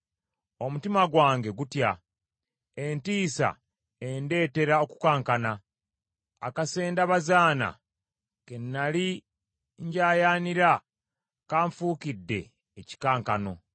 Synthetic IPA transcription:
o̞mutimaɡwaːŋɡe̞ɡutja | e̞ntiːsa̰ | e̞nde̞ːte̞ɾao̞ku̥kaːŋkana | a̰kase̞ːndaβazaːna̰ | ke̞nːali | ɲɟaːjaːniɾa | kaːɱfuːkidːe̞̰ː | ci̥kaːŋkano̞

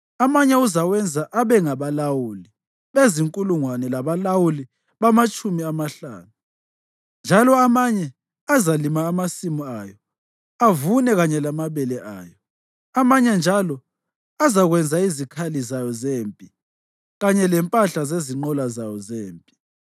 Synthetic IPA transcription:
amaɲɛuzawɛnd͡zʱaʔaβɛŋaβalawuli | βeziŋkʼuluŋwanɛlaβalawuli | βamat͡ʃʼumiamaɬa̰ːnu | nd͡ʒʱalɔamaɲɛ | azalimaːmasimuajɔ | avunɛɣaɲɛlamaβɛlɛʔa̰ːjɔ | amaɲɛnd͡ʒʱalɔ | azaɣwɛnd͡zʱaizikʰalizajɔzeːmpʼi | ɣaɲɛlɛmpʼaɬazeziŋ͡ǃɔlazajɔzeːmpʼi

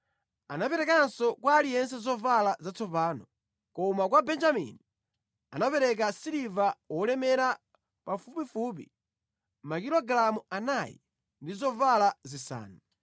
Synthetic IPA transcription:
anapɛɾɛkansɔkwaːlijɛns̬ɛzɔvalazat͡sɔpaːnɔ | kɔmak̬wabɛnd͡ʒamḭni | anapɛɾɛk̬asiɾivawɔlɛmɛɾa | pafupifup̬ḭ | makiɾɔɡlamuanajḭ | ndizɔvalazisa̰ːna

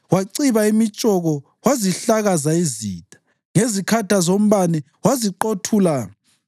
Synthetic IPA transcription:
waǀiβaimit͡ʃʼɔɣɔ | waziɬaɣazaizḭːd̥ʱḁ | ŋezikʰadʱazom̩βanɛ | waziǃotʰuːla

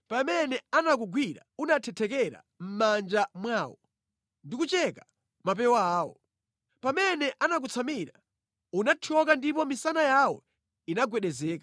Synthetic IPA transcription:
pamɛnɛanak̬uɡwiɾa̰unatʰɛtʰɛkɛɾa̰ | m̩mand͡ʒamwaːwɔ | ndikut͡ʃɛka | mapɛwaːwɔ̰ | pamɛnɛʔanak̬ut͡sʰamiɾa | unatʰɔk̬andipɔmisanajawɔ̰ | inaɡwɛɗɛzɛːkḁ

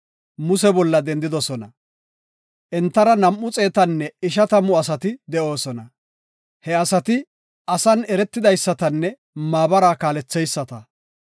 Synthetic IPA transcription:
mʊs̬ɛbɔlːɐd̪ɛnd̪ɪd̪ɔsɔnɐ | ʔɛnt̪ːɐɾɐnɐmʔːʊt͡sʼe̞ːt̪ɐnːɛɪʃɐt̪ɐmʊɐs̬ɐt̪ɪd̪ɛʔo̞ːsɔnɐ | hɛɐsɐt̪ɪ | ɐsɐnɛɾɛt̪ːɪd̪ɐjsːɐt̪ɐnːɛ | maːbɐɾaːkaːlɛt͡sːɛjsːɐt̪ɐ

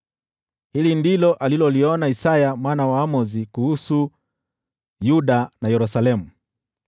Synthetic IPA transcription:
hilindilɔʔalilɔliɔnaisajamwaːnawaːmɔzikuhusu | juɗanajɛɾusalɛmu

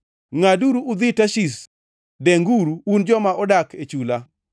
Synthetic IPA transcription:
ŋaduɾuʔud̪ɪtaʃis | deŋɡuɾuund͡ʒɔmaɔdaket͡ʃula

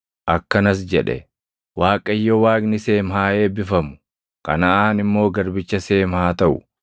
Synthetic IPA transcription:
ʔɐkːɐnɐs̬d͡ʒɛᶑɛ̰ | waːkʼɐjːɔwaːkʼnɪse̞ːmɦaːeːbɪfɐmʊ̥ | kɐ̰nɐʔaːnɪmːo̞ːɡɐɾbɪt͡ʃːɐse̞ːmhaːt̪ɐʔʊ̰

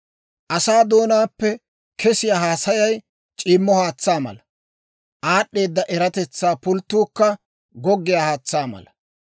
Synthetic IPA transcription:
ʔɐsaːd̪o̞ːnaːpːɛ | kʰɛsɪjaːɦaːsɐjɐj | t͡ʃʼɪːmːɔhaːt͡sːaːmɐ̰lɐ | ʔaːɗːe̞ːd̪ːɐʔɛɾɐt̪ɛt͡sːaːpʊlt̪ːuːkːɐ | ɡɔɡːɪjaːhaːt͡sːaːmɐ̰lɐ

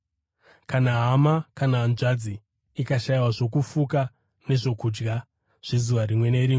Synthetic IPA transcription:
kanaɦamakanaːnʐad͡ziː | kaʃaiwaʐo̞k̬ufuka | ne̞ʐo̞kud͡ʒɡa | ʐ̥izuʋaɾimwe̞ne̞ɾiːmwe

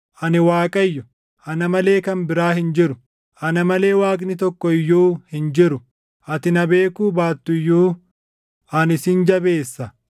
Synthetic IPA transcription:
ʔɐnɪwaːkʼɐjːʊ | ʔɐnɐmɐle̞ːkɐnbɪɾaːɦɪnd͡ʒɪɾʊ | ʔɐnɐmɐle̞ːwaːkʼnɪt̪ɔkːɔɪjːuːhɪnd͡ʒɪɾʊ | ʔɐt̪ɪnɐbe̞ːkuːbaːt̪ːʊjːuː | ɐnɪsɪnd͡ʒɐbe̞ːsːɐ

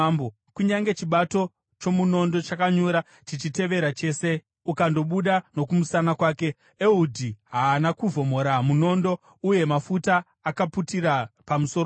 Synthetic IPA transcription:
mbo | kuɲaŋɡe̞t͡ʃiɓato̞ | t͡ʃo̞muno̞ndo̞t͡ʃakaɲoɾa | t͡ʃit͡ʃite̞ʋe̞ɾat͡ʃe̞ːse̞ | ukando̞ɓuɗano̞kumusanakwaːke̞ | eudʱiɦaːnakuvo̞mo̞ɾamuno̞ndo̞ | uje̞mafutaː | kaputiɾapamuso̞

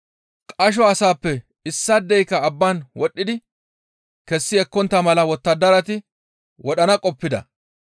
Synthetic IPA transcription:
kʼɐʃ̬ɔɐsaːpːɛ | ɪsːɐd̪ːɛjkɐːbːaːnwɔɗːɪd̪ɪ | kɛsːɪɛkːɔnt̪ːɐmɐlɐwɔt̪ːɐd̪ɐɾɐt̪ɪ | wɔɗɐnɐkʼɔpːɪd̪ɐ̰

